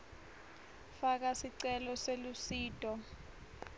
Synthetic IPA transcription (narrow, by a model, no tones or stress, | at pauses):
fak̬asiǀɛlɔselusiːtʼɔ